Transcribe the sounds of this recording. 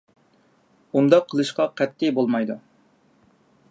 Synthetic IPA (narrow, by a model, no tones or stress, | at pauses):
und̪ɑqʰːəlˠɨʃqɑqʰɛt̪ʰːibolˠmɑjd̪u